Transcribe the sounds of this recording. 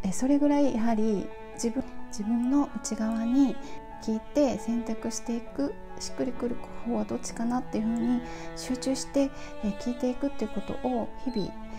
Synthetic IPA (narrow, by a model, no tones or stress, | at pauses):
eso̞ɾe̞ɡɯ̟ɾaijʔaɦaɾʲi | d͡ʑibɯ̟̃d͡ʑibɯ̟̃nːo̞ʔɯ̟t͡ɕiɡaβaɲ̟i | kʲiːt̪e̞sẽ̞nt̪akɯ̟ɕi̥t̪e̞ikɯ̟ | ɕi̥kːɯɾʲikɯ̟ɾɯ̟ko̥hoːɡad̪o̞t͡ɕːi̥kanat̪ːe̞jɯ̟ɸɯ̟ːɲ̟iɕɨːt͡ɕɨːɕi̥t̪e̞kʲiːt̪e̞ikɯ̟t̪ːe̞iɯ̟ko̞t̪o̞̰ʔoçibʲḭ